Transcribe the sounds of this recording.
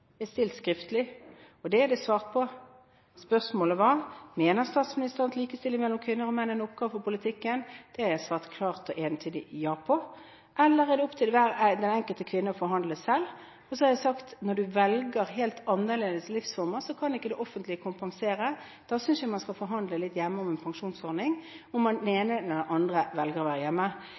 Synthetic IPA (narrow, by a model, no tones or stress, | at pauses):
ɛst̪ɪlt̪skɾɪft̪əlɪ | ɔd̪ɛæd̪ɛsʋɑːʁt̪̚pʰɔ | spœʁsmoːləʋɑmeːnəʁst̪ɑːt̪smɪnɪst̪əʁənt̪liːkəst̪ɪlɪmɛlːɔmkʰʋɪnːəɾɔmɛnːənɔp̚kɑʋfɔɾpʊlɪt̪ʰɪkːənd̪̥ɛæɾjæɪsʋɑːʁt̪kʰlɑːʁt̪ɔʔeːnt̪ʰyːd̪ɪ̰jɑːpʰɔ | ʔɛlːəɾɛd̪ɛɔpt̪ʰɪlʋæɾd̪ɛnɛŋkəlt̪əkʰʋɪnːəɔfɔɾɦɑnd̪ləsɛl | ɔsɔhɑɾjæɪsɑkt̪nɔɖʉʋɛlɡəɾɦeːlt̪ʰɑnːəʁleːd̪əslɪfsfɔɾməsɔkʰɑnɪkːəd̪ɛʔɔfənt̪lɪkʰʊmpɑŋseːɾə | d̪̥ɑːsʏnsjæmɑnskɑfɔɾɦɑnd̪ləlɪt̪ːjɛmːəɔmɛnpʰɑŋʂuːnsɔɾnɪŋɔmd̪ɛneːnənɛd̪ʔɑnd̪ɾəʋɛlɡəɾɔʋæːɾəjɛmːə